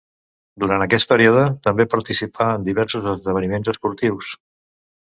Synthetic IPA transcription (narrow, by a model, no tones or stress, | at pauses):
d̪uɾant̪əkɛst̪̚pəɾioðət̪əmbepəɾt̪isipʰaənd̪iβɛɾsuzəzðəβənimenzəspuɾt̪iws